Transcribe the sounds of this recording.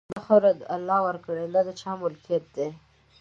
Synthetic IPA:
d̪axaɾad̪alːɑwəɾkəɽed̪ɑd̪ət͡ʃɑmʊlkijat̪̚d̪e

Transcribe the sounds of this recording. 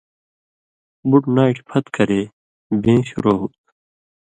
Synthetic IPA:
buʈnaːiʈpʰɐt̪kɐɾe | bẽːɕṵɾoːɦut̪̚

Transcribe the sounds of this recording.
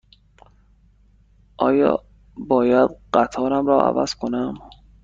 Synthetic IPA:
ʔɒ̰ːjɒ̰ː | bɒːjæd̪ɢæt̪ʰɒːɾæmɾɒːʔæ̰væ̰z̥kʰonæm

